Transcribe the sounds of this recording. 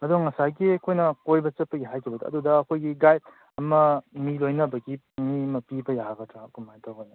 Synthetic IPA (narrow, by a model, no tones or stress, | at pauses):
ɐduŋɐsajɡiɐkʰojnɐkojbɐt͡ʃɐt̚pɐɡiɦajkʰibɐdɐɐ̰dudɐɐkʰojɡiɡajt̚ | ɐmɐmilojnɐbɐɡi | mimɐpibɐjaɡɐtʰɾakumajtʰawajnɐ